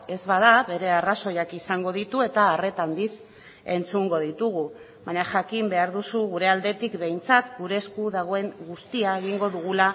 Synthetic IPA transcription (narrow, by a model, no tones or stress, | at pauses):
e̞zβaðaβe̞ɾe̞araso̞jakisaŋɡo̞ð̞it̪ue̞t̪aːre̞t̪and̪is | e̞nt͡suŋɡo̞ðit̪uɣ̞u | βaɲaʝakimbe̞aɾðusuɣuɾe̞ald̪e̞t̪ikbe̞jnt͡sat̪ɡuɾe̞skuðaɣ̞o̞e̞ŋɡust̪iaeɣ̞iŋɡo̞ðuɣ̞ula